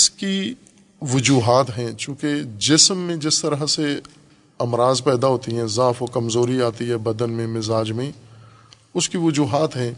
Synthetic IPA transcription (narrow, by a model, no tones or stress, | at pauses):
ɪski | ʋʊd͡ʒuːɦaːt̪ɦɛ̃ːt͡ʃũːked͡ʒɪsmːẽd͡ʒɪst̪əɾəɦse | ɐmɾaːzpɛːd̪aɦoːt̪iɦɛ̃zaːfɔkɐmzoːɾiaːt̪iɦɛːbɐd̪ənmẽmɪzaːd͡ʒmẽ | ʊskiʋʊd͡ʒuːɦaːt̪ɦɛ̃ː